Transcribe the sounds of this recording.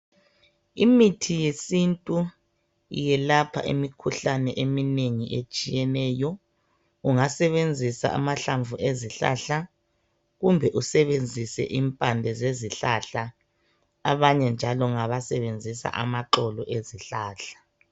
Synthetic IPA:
imitʰijesintʼu | jɛlapʰa̰ʔḭmikʰuɬanɛʔemineŋiʔet͡ʃʼijɛnɛːjɔ | uŋasɛβend͡zʱisa̰a̰maɬaɱvʱueziɬa̰ɬa | ɣumbʱɛʔusɛβend͡zʱisɛ̰ʔimpʼandʱɛzeziɬaɬa | aβaɲɛnd͡ʒʱalɔŋaβasɛβend͡zʱisa̰ʔamaǃɔlɔʔeziɬaːɬḁ

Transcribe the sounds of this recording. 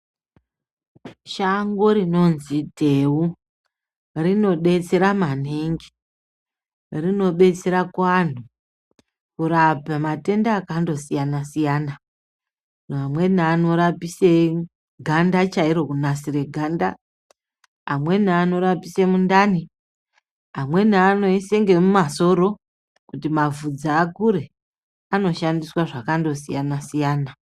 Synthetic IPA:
ʃaŋɡo̞ɾino̞nzidʱe̞u | rino̞ɓe̞t͡se̞ɾamaneŋɡe | rino̞ɓe̞t͡se̞ɾakwaːn̤u | kuɾapamate̞ndaːkando̞sijanasijaːna | namwe̞n̤aːno̞ɾapise | ɡʱandat͡ʃaiɾo̞kunasiɾe̞ɡʱanda | a̰mwe̞naːno̞ɾapisemundani | ɦamwe̞naːno̞ise̞ŋɡe̞mumaso̞ɾo̞ | kutimavud͡zaːkuɾe̞ | ano̞ʃandiswaʐakando̞sijanasijaːna

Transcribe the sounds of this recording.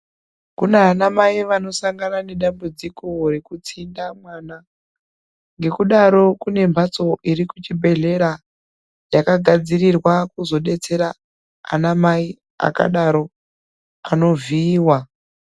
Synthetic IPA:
kuneɦanamaiʋano̞saŋɡanane̞ɗambud͡ziko̞re̞kut͡sindamwaːna | ŋɡe̞kuɗaɾo̞kune̞mbʱat͡so̞ʔiɾikut͡ʃibʱe̞ɮe̞ɾa | jakaɡʱad͡zirirwakuzo̞ɗe̞t͡se̞ɾa̰ː | namai | a̰ka̰ɗaɾo̞ | ano̞viːwa

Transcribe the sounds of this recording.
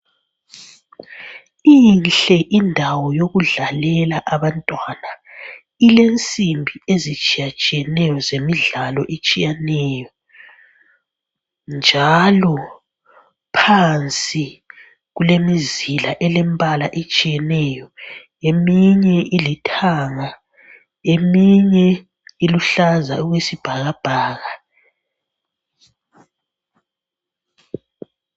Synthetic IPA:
inɬɛʔindʱawɔjoɣuɮalɛlaʔaβantʼwana | ilent͡sʼimbʱiezit͡ʃʼijat͡ʃʼijɛnɛjɔzemiɮalɔʔet͡ʃʼijanɛjɔ | nd͡ʒʱalɔ | pʰant͡sʼi | ɣulemizilaʔɛlɛmbʼʱalaʔet͡ʃʼijɛnɛjɔ | emiɲɛʔilitʰaŋa | emiɲɛ | iluɬaza̰uɣwesib̥ʱaɣab̥ʱaːɣa

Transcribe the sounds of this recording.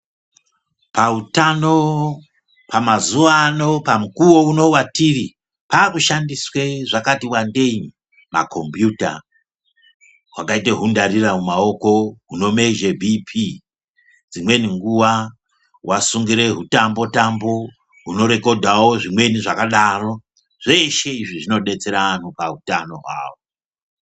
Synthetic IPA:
pautano̞ | pamazuʋano̞pamukuwo̞uno̞watiri | paːkuʃandisweʐakatiwande̞im | ma̰kʰo̞mbjuta̰ | ɦwakaiteɦundariramumao̞ko̞ɦuno̞me̞ʒebʱipʰi | d͡zimwe̞niŋɡuwa | wʔasuŋɡiɾe̞ɦutambo̞tambo̞ | ɦuno̞ɾe̞ko̞dʱawo̞ʐimwe̞niʐakaɗaro̞ | ʐ̥e̞ʃe̞iʐiʐino̞ɗe̞t͡se̞ɾaanupaɦutano̞̰ɦwa̰ːwo

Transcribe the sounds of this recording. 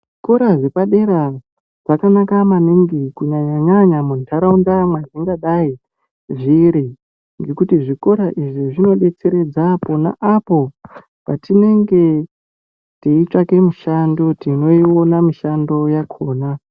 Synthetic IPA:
ʐiko̞ɾaʐepaɗe̞ɾa | ʐ̥akanakamaneŋɡikuɲaɲaɲaɲamuntʰaɾaundamwad͡ziŋɡaɗai | ʐiɾi | ŋɡe̞kutiʐiko̞ɾaʔiʐiʐino̞ɗe̞t͡se̞ɾe̞d͡zapona̰ʔapo̞ | patine̞ŋɡe̞ | tiit͡ʂake̞muʃandotino̞io̞namiʃando̞jakʰo̞ːna

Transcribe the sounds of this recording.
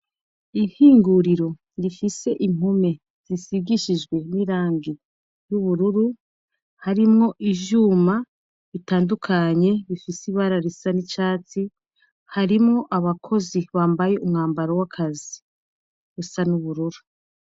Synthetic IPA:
ihiːŋɡuɾiɾo̞ | ɾifise̞ʔim̥hume̞ | z̥isiɡiʃid͡ʒɡwe̞niːɾaːŋɡe | juβuɾuɾu | haɾimŋo̞ʔiʒuːma | βitaːndukʰaɲe̞βifisiβaɾaɾisanit͡ʃaːt͡si | haɾimŋo̞ʔaβakʰo̞ziβaːmbaje̞umŋaːmbaɾowakʰazi | ɡusanuβuɾuɾu

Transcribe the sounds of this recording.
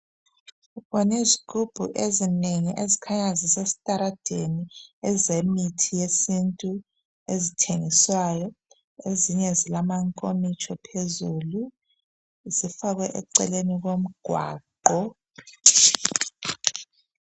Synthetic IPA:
ɣɔnezikʰʼub̥ʱuʔezineŋiʔezikʰaɲazisesi̥tʼaɾad̥ʱeniɛzemitʰijesintʼu | ezitʰeŋiswajɔ | eziɲɛzilamaŋkʼomit͡ʃʼɔpʰezulu | zifaɣwɛʔɛ̰ǀɛ̰leniɣom̩ɡ̥ʱwa̰ːǃɔ

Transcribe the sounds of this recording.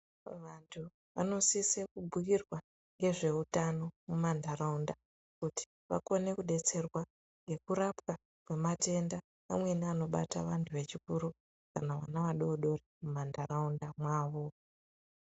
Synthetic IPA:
ʋantʰu | ʋa̰no̞sisekubʱujirwa | ŋɡe̞ʐe̞utano̞mumandaraunda | kuti̥ | ʋa̰ko̞ne̞kuɗe̞t͡se̞rwa | ŋɡe̞kuɾapwa | kwe̞mate̞nda | amwe̞niano̞ɓa̰ta̰ʋantʰuʋe̞t͡ʃikuɾu | kanawa̰naʋaɗoɗo̞remumandaraundamwaːʋo̞

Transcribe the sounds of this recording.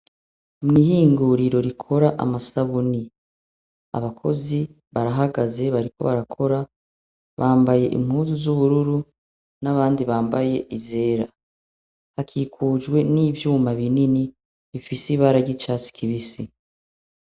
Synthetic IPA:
mŋiːhiːŋɡuɾiɾo̞ɾikʰo̞ɾaʔa̰masaβuni | a̰βakʰo̞̰zi | βaɾaɦaɡaze̞βaɾikʰo̞̰βaɾakʰo̞ɾa | βaːmbaje̞ʔḭm̥huːzuzuβuɾuɾu | naβaːndiβaːmbaje̞ʔize̞ːɾa | hakʰiːkʰuːd͡ʒɡwe̞niːvjuːmaβinini | βifisiβaɾaɾɟit͡ʃasi̥kʰiβisi

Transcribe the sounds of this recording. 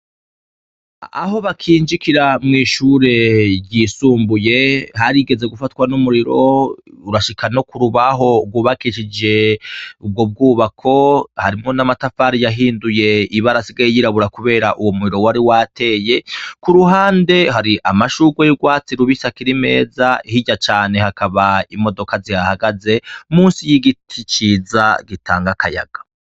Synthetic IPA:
a̰ɦo̞βakʰiːnd͡ʒikiɾamŋiːʃuːɾe̞ɾɟiːsuːmbuje̞hɦaɾiɡe̞ze̞ɡufatwanumuɾiɾo̞uɾaʃikʰano̞kuɾuβaɦo̞bɡwuːβakiʃid͡ʒe̞ub̚ɡo̞b̚ɡuːβakʰo̞ha̰ɾimŋo̞namatafaːɾijaɦiːnduje̞iβaɾasiɡaijiɾaβuɾakuβe̞ːɾaʔuwomuɾiɾo̞waɾiwatʰe̞ːje̞kuɾuɦaːnde̞ɦaɾiʔamaʃuːɡwejuɡwaːt͡siɾuβisakiɾime̞̰ːzaihiɟat͡ʃaːne̞hakʰaβaimo̞do̞kazihahaɡaze̞muːnsijiɡitʰit͡ʃiːzaɡitʰaːŋɡakʰaja̰ɡ̥a

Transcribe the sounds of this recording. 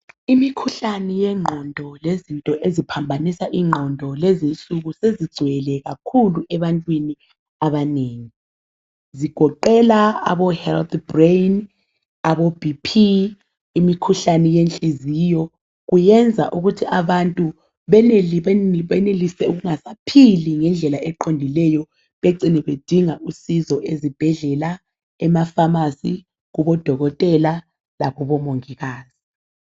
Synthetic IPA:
imikʰuɬanɛjɛŋ͡ǃʱɔndʱɔlezintʼɔʔezipʰambʱanisaʔiŋ͡ǃʱɔndʱɔlezinsʼuɣusezid̥ɡ͡ǀ̥ʱwɛlɛɣakʰuluʔɛβantʼwini | aβaneːŋi | ziɡ̥ʱɔǃɛlaa̰βɔhɛlt̪brejn | aβɔbʱipʰiː | mikʰuɬanɛjent͡ɬʼiziːjɔ | ɣujɛnd͡zʱaʔuɣutʰiʔaβantʼu | βɛneβɛnelisɛuɣuŋasapʰiliŋɛnd͡ɮʱɛlaʔɛǃondʱilɛjɔ | βeǀinɛβed̥ʱiŋaʔusizɔʔezib̥ʱɛɮɛla | ɛmafamasi | ɣuβɔd̥ʱɔɣɔtʼɛla | laɣuβɔmoŋiɣaːz̥i

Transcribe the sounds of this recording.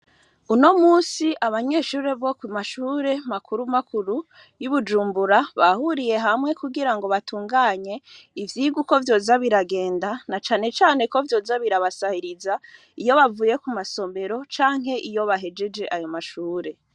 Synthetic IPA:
uno̞muːsiʔaβaɲe̞ːʃuːɾe̞βo̞kwimaʃuɾe̞makʰuɾumakʰuɾu | juβud͡ʒuːmbuɾaβahuɾije̞ɦamŋe̞kuɡiɾaŋɡo̞βatʰuːŋɡaːɲe̞ivjiːɡuko̞vjo̞ːzaβiɾaɡe̞ːndanat͡ʃaːne̞t͡ʃaːne̞ko̞vjo̞ːzaβiɾaβasahiɾiza | ijo̞βavuːje̞kumaso̞me̞ɾo̞t͡ʃaːŋ̥ɦe̞ʔijo̞βaɦe̞d͡ʒe̞d͡ʒe̞ʔajo̞maʃuːɾe̞

